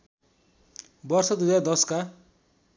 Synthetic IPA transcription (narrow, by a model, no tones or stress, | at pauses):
bʌrsʌd̪ud͡zad̪ʌska